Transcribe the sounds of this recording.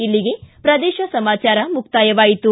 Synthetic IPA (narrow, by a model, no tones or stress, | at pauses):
ilːiɡe̞pɾɐd̪ɛːʃɐsɐmaːt͡ʃaːɾɐmuk̚t̪aːjɐʋaːjit̪u